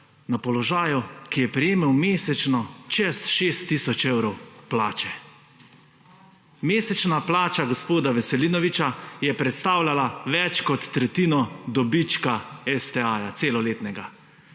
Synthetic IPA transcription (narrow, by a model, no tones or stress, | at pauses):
napɔlɔʒaːjukijɛpɾijeːmɛwmeːsɛt͡ʃnɔt͡ʃɛsʃeːst̪ːiːsɔt͡ʃɛwɾɔwplaːt͡ʃɛ | meːsɛt͡ʃnaplaːt͡ʃaɡɔspoːd̪aʋɛsɛliːnɔʋit͡ʃajɛpɾɛt̪st̪aːwlalaʋɛt͡ʃkɔt̪ːɾɛt̪iːnɔd̪ɔbit͡ʃkaɛst̪ɛaːjat̪seːlɔleːt̪nɛɡa